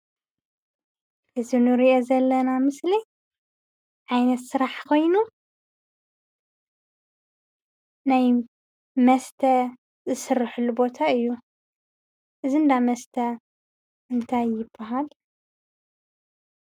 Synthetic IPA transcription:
ʔɨzinɨɾiʔo̞zɐlːɐnamɨsli | ʕajnɐt̪sɨɾaħkʰo̞jnu | naj | mɐst̪ʰɐ | zɨsɨrːɨħulːubo̞t̪ʰaɨjːu | ʔɨzind̪amɐst̪ʰɐ | ɨnt̪ʰajːɪbːaɦal

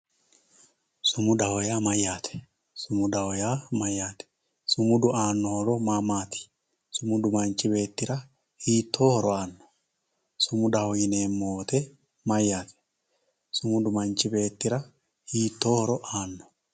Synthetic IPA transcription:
sʊmʊd̪ɐhɔjaːmɐjːaːt̪ʰɛ̥ | sʊmʊd̪ɐhɔjaːmɐjːaːt̪ɛ̥ | sʊmʊd̪ʊʔaːnːɔhɔɾɔmamaːt̪ʰɪ̥ | sʊmʊd̪ʊmɐnt͡ʃɪbe̞ːt̪ːɪɾɐ | hiːt̪ːo̞ːhɔɾɔaːnːɔ̥ | sʊmʊd̪ɐhɔjɪneːmːoːt̪ɛ | mɐjːaːt̪ɛ̥ | sʊmʊd̪ʊmɐnt͡ʃɪbe̞ːt̪ːɪɾɐ | hiːt̪ːo̞ːhɔɾɔʔaːnːɔ̥

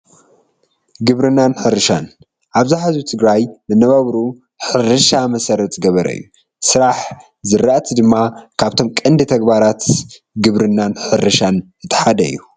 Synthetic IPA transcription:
ɡɨβɾɨnːanħɨɾɨʃan | ʔaβzaħazut̪ʰɨɡɾajmɨnɐβaβɾu | ħɨɾɨʃamɐsɐɾɐt̪ʼɨɡɐβɐɾɐ̰jːu | sɨɾaħ | zɨɾːaʔt̪ʰid̪ɨmːakʰaβt̪ʰo̞mkʼɨnd̪ɨt̪ʰɐɡbaɾat̪ | ɡɨβɾɨnːanħɨɾɨʃanzɨt̪ʰːɨ̥ħad̪ɐɨ̰jːu

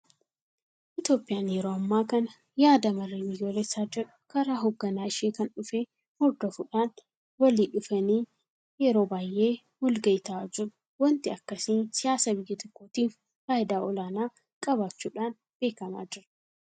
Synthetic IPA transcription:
ʔɪt̪jo̞ːpʼːɪjaːnjɛɾoːɐmːaːkɐnɐ | jaːd̪ɐmɐrːiːbɪjːo̞ːlɛsːaːd͡ʒɪɾʊ̥kɐɾaːɦɔɡːɐnaːɪʃeːkɐnᶑʊfeː | mɔɾd̪ɐfʊᶑaːn | wɐliːᶑʊfɐniː | jɛɾo̞ːbaːjʔe̞ː | wɔlɡɐʔɪt̪ɐaːd͡ʒɪɾ | wɔnt̪ɪɐkːɐsiːnsɪjaːsɐbɪjːɪt̪ɔkːoːt̪iːf | faːʔɪd̪aːʔɔlaːnaː | kʼɐbaːt͡ʃːuːᶑaːn | b̥e̞ːkɐma̰ːd͡ʒɪɾɐ

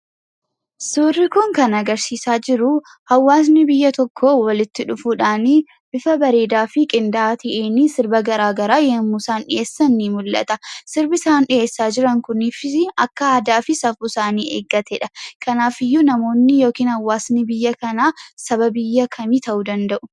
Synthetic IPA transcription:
suːrːɪkʊŋkɐnɐɡɐɾsiːsaːd͡ʒɪɾʊ | hɐwːaːs̬nɪbɪjːɐt̪ɔkʰːowɐlɪt̪ːɪᶑʊfuːᶑaːni | bɪfɐbɐɾe̞ːd̪aːfɪkʼɪnd̪aːt̪ʰɐʔeːnisɪɾbɐɡɐɾaːɡɐɾaːjɛmusaːnᶑɪ̰jeːsːɐnːimʊlːʔɐ̰t̪ɐsɪɾbɪsaːnᶑɪeːsːaːd͡ʒɪɾɐŋkʊnɪfɪɐkːɐaːd̪aːfɪsɐfusaːniːʔḛːɡːɐt̪ɛᶑɐkʰɐnaːfɪjːʊnɐmo̞ːnːɪjo̞ːkiːnhɐwːaːsnɪbɪjːɐkɐnaːsɐbɐbɪjːɐkʰɐmit̪ʰɐʔud̪ɐnd̪ɐʔʊ̥

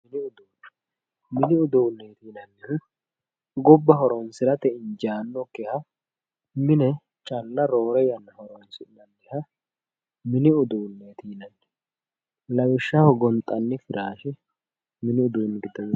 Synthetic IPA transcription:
mɪnɪʊd̪uːnːɛ | mɪnɪʊd̪uːnːeːt̪iːnɐnːɪhʊ | ɡɔbːɐɦɔɾɔnsɪɾɐt̪ɛɪɲd͡ʒaːnːɔkːɛhɐ | mɪnɛ | t͡ʃʼɐlːɐɾo̞ːɾɛjɐnːɐhɔɾɔnsɪnɐnd̪ɛhɐ | mɪnɪʊd̪uːnːeːt̪ʰiːnɐnːɛ̥ | lɐwɪʃːɐhɔɡɔnt̪ʼːɐnːɪfɪɾaːʃɛ | mɪnɪʊd̪uːnːɪɡɪd̪ɔn

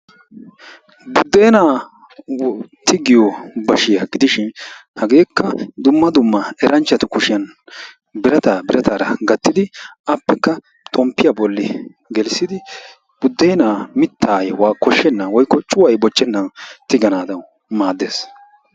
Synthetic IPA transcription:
bʊd̪ːeːnaː | t̪ʰɪɡɪjɔbɐʃɪjɐɡɪd̪ɪʃɪnhɐɡe̞ːkːɐd̪ʊmːɐd̪ʊmːɐɛɾɐnt͡ʃːɐt̪ʊkʊʃɪjɐn | bɪɾɐt̪aːbɪɾɐt̪aːɾɐ̰ɡɐt̪ːɪd̪ɪɐpːɛkːɐ | t̪ʼɔmpːɪjɐbɔlːɪ | ɡɛlsːɪd̪ɪ | b̥ʊd̪ːeːnaːmɪt̪ʰːaːjwaːkːɔʃːɛnːawɔjkːɔt͡ʃʼʊwɐjbɔt͡ʃːɛnːɐnt̪ɪɡɐnaːd̪ɐw | maːd̪ːeːs

